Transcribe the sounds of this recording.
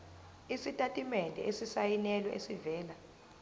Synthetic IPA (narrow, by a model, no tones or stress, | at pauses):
isitʼatʼimɛndʱɛ̰ʔesisajinɛlɔʔesivɛːla